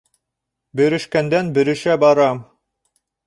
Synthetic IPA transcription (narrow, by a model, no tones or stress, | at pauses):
bɘ̆ɾɘ̆ʃkænd̪ænbɘ̆ɾɘ̆ʃæbɑɾɑm